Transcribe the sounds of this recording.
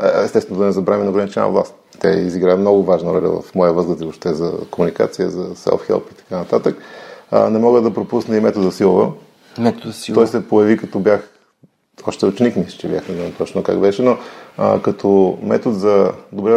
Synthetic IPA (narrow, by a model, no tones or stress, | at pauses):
ɛst̪ɛst̪ɛnod̪ɐnɛzɐbɾaminoɡɾɐnit͡ʃɛn̰ə̰vlˠa̰st̪ | t̪a̰ḭziɡɾajəmnɔɡʊvaʒnɐɾɔlʲɐ̰və̰fmɔjəvəzɡəzibopʃt̪ɛzɐ̰komunika̰t̪sijə̰zɐsɛ̰lˠfxɛ̰lˠpit̪ɐ̥kanɐt̪at̪əknɛmɔɡəd̪ɐpɾopusnɛimɛt̪od̪zɐsilˠovə̰ | mɛt̪ot̪ɔjsɛpojɐvikɐt̪ɔbjax | ɔʃt̪ɛʊt͡ʃɛnikniʃt͡ʃɛbija̰xnɛzamt̪ɔt͡ʃnoka̰ɡbɛʃɛnokɐt̪ʰɔmɛt̪od̪zɐd̪obɾɛ